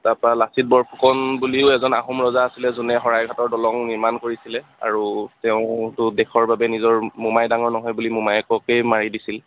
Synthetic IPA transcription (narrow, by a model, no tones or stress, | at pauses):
tapɹalasit̚bɔɹpʰukɔnbuliʊɛzɔnaɦumɹɔzaːsilɛzunɛɦɔɹajɡʱatɔɹdɔlɔŋniɹmankoɹisilɛa̰ɹutɛʊ̃tʊdɛkʰɔɹbabɛnizɔɹmumajdaŋɔɹnɔɦɔjbulimumajɛkɔkejmaɹidisil